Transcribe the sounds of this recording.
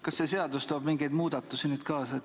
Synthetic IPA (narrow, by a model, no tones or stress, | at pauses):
kɑsːese̞ɑd̪̥ust̪oːb̥miŋɡ̥ejd̪muːd̪̥ɑt̪ːˑusinyːd̪̥kɑːsɑ